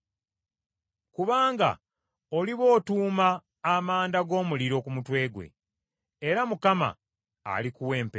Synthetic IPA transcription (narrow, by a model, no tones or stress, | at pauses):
kuβaːŋɡa̰ | o̞liβo̞ːtuːmaː | maːndaɡo̞ːmuliɾo̞kumutwe̞ːɡwe̞̰ | eɾamukama̰ː | likuwe̞ːmpe